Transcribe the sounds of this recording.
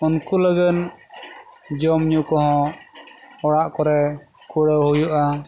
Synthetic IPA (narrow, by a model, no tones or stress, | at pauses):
unkuləɡən | d͡ʒɔmɲukɔɦɔ̃ | ɔɽaʔkɔɾɛ | kʰuɽəhujuʔa